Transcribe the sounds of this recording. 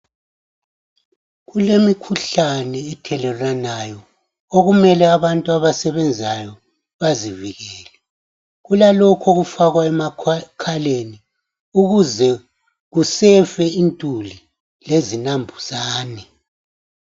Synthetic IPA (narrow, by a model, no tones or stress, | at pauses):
ɣulemikʰuɬanɛːtʰɛlɛlanajɔ | oɣumɛlɛaβantʼuaβasɛβɛnd͡zʱajɔ | βaziviɣɛːlɛ | ɣulalɔkʰoɣufaɣwaɛmakʰaleni | uɣuzɛ | ɣusɛfɛintʼuli | lezinambʱuz̥aːnɛ